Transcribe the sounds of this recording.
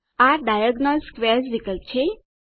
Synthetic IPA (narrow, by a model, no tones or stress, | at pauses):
aɖajaɡnozskʋeɾsʋikəl̚t͡ʃʰe